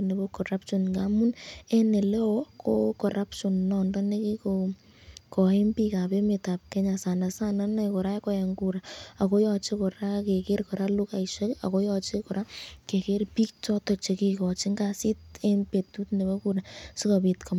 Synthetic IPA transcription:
ne˨bo˦kɔ˨ra˦pʃɔ˨nŋɡa˦mu˦ne˦ne˨le˦ɔ˦ko̰˦kɔ˨ɾa˦pʃɔ˨nːɔ˨ndɔ˦ne˦ki˦ko | kɔ˨e˦mpi˦ka˨pe˦me˨ta˨p̚kɛ˦ɲa˨sa˨na˨sa˦na˦na˦ko˨ɾa˦e˦kɔ˦je˨ŋɡu˦ɾa˨a˨ko˦jɔ˧t͡ʃe˦ko˨ɾa˦ke˨ke˦ɾkɔ˨ɾa˦lu˦ka˨iʃe˦ka̰˨ko˦jɔ˧t͡ʃe˦ko˨ɾa˦ke˨ke˦rpi˦k̚t͡ʃɔ˦tɔ˨t͡ʃe˨ki˧kɔ˨t͡ʃi˦ŋɡa˨si˦te˦mpe˨tu˦tne˨bo˦ku˨ɾa˨su˦ka˨bi˨tkʰɔ˨m

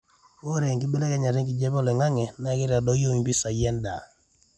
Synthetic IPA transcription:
o˦ɾe˨ŋkɪ˦bi˦lɛ˦kɛ˦ɲa˨ɾe˦ŋki˨d͡ʒɛ˦bɔ˦lɛ˨ŋa˦ŋɛ˨na˨kɪ˦ɾa˨dɔ˦jo˦i˨pi˦sa˨jɛ˦nda˨

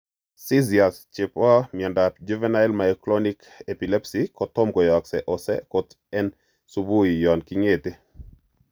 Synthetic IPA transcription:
si˦zia˨st͡ʃe˨pa˦mi˨ɛ˨ndad͡ʒevɛ˦na˦ɛlmaɛklɔnik | e˨pi˨lɛ˦psikɔt̪ɔ˦mkɔ˨jɔ˨ksɛʔɔsɛ̰kɔt̪ | ɛ˦n | subu˦ijɔ˨nkiŋet̪e˦

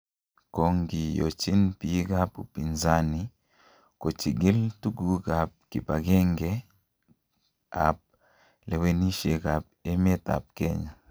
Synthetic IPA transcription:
ko˨ŋɡi˨jo̰˨t͡ʃi˦npi˨˦ɡa˦pu˨pi˨nza˦ni˨ | ko˨t͡ʃi˨ɡi˦ltu˦ɡu˦ɡa˨p̚ki˨pa˨ɡɛ˦ŋɡɛ˦ | a˨p̚ | lɛ˨we˨ni˦ʃe˨ka˨p̚e˦m˦ɛ˦ta̰˨p̚kɛ˦ɲa˨

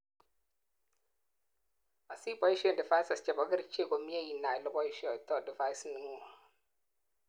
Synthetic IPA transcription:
a˨si˦bɔ˨˦i˦ʃɔ˦ndɪ˨fa˦jsa˨st͡ʃɛ˨bɔ˨ɡə˦ɾt͡ʃe˦˨ko˨mi˦e˦ji˨nːa˨lɔ˦bɔ˦ʃɔ˨tɔ˦dɪ˨fa˦jsni˨ŋu˦˨

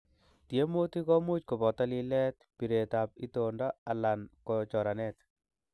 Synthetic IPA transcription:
tje˦mo˦ti˦kɔ˦mu˦t͡ʃko˨pɔ˨ta˦li˦lɛ˦t̚pi˨ɾe˨ta˨p̚i˦tonda˦a˨la˨nkot͡ʃɔ˨ɾa˨nɛ˦t

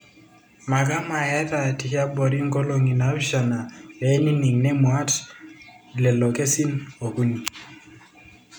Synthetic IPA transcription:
ma˨ka˦ma˨ja˦ta˨ti˨kja˦bɔ˨ɾi˦ŋ˦ɡo˦lo˨ŋi˨na˨˦ʃa˨na˨ɛ˨˦ni˦ni˨ŋnɛ˦mwa˦t | lɛ˨lɔ˨kɛ˦si˦no˨ku˦ni˨

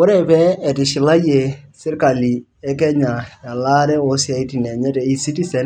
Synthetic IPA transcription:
kʊ˦ɾe˦pɛ˦ɛ˨tɪ˨ʃɪ˨la˦je˨sɪ˦rka˨li˨ | ɛ˦kɛ˦ɲa˨ja˨la˦ɾɛ˦o˨si˦a˨˦i˦ti˨nɛ˨ɲɛ˦tɛ˨i˦si˦ti˦sɛ˨n

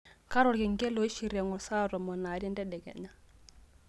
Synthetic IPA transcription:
ka˦ɾɔ˨ɾkɪ˨ŋɡɛ˦lo˨i˦ʃi˨ɾɛ˨ŋɔ˨sa˦ɾɔ˨mɔ˨na˨ɾi˦ndɛ˦dɛ˨ɡɛ̰˨ɲa˦

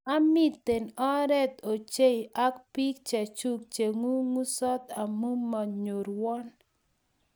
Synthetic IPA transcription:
a˦mi˦t̪ːe˨nɔ˦ɾɛ˦t̪o˨t͡ʃe˦i˨ʔa˦kpi˦k̚t͡ʃɛ˨t͡ʃu˦kt͡ʃe˨ŋu˦ŋu˦sɔ˦t̪a˨mu˦mːa˨ɲo˨ɾwɔ˦n

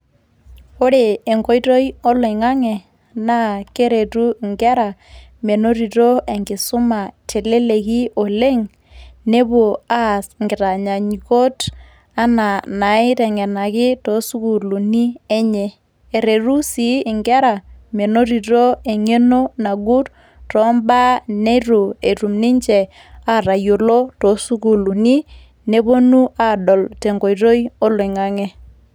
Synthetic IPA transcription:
o˦ɾe˨e˨ŋko˦jto˦jɔ˦lɔ˨ɪ˨ŋa˦ŋɛ˨ | na˦ke˦ɾe˨tu˦˨ŋɡɛ˦ɾa˨ | me˨no˦ɾi˨to˦e˨ŋɡɪ˨sʊ˦ma˨tʰe˨le˦le˨ki˦o˨le˦ŋ | ne˦bo˨a˦sŋɡɪ˨ta˨ɲa˨ɲi˨ko˦t | a˦na˨na˨ɪ˦tɛ˨ŋɛ˨na˨kɪ˦to˨˦su˦ku˨lu˨ni˦e˦ɲɛ˦ | e˨ɾe˨ɾu˦si˨˦ɪ˨ŋɡɛ˦ɾa˨me˨no˦ɾi˨to˦e˨ŋe˦no˦na˨ɡu˦t | tɔ˨˦mba˦ne˦ɾu˨e˨ɾu˨mnɪ˦ɲt͡ʃɛ˨ | a˦˨ɾa˨jo˨lo˦to˨su˦ku˨lu˨ni˦ | ne˨˦bo˦nu˦a˦dɔ˨lte˨ŋɡo˨i˨ɾo˦jo˦le˨ŋa˦ŋɛ˦

